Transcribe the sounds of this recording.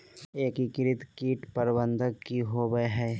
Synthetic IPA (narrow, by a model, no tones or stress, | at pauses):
eːkikɪɾɪt̪kiːʈpəɾbə̃nd̪ʱəɡkiɦoːbəɦɛː